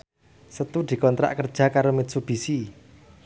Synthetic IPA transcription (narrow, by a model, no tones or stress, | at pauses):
sət̪ud̪̥i̤kɔnt̪ɾa̰ʔkərd̥ʒ̥a̤kaɾomit̪̚sub̥isi